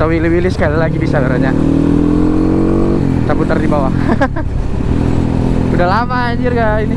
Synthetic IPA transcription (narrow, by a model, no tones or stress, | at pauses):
awiliwilɪsə̥kalilaɡibisabaɾaɲa | t̪aput̪ərdibawa | udalama | d͡ʒɪrɡaini